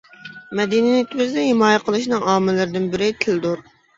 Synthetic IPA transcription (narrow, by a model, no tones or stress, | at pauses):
mɛd̪ininit̪ʰbɪzd̪ɪhɪmɑːjɛqʰəlˠɨʃnɨŋɑːmɪlɨɾɪd̪ɪnbɪɾɪt̪ʰɪld̪uɾ